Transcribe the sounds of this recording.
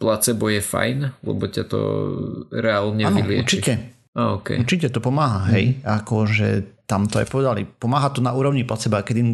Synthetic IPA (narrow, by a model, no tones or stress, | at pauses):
plat͡sɛbɔjɛfa̰jnlɛ̰bɔcat̪ɔ̰ | ɾɛalɲɛaːnɔilɪɛuɾt͡ʃicɛ | aɔkɛ̰uɾt͡ʃicɛt̪ɔpɔmaːɦaɦɛjakɔʒɛ̰t̪amt̪ɔa̰jpɔʋɛd̪alḭpɔmaːɦat̪ɔnauːɾɔʊɲiplat͡sɛbakɛd̪im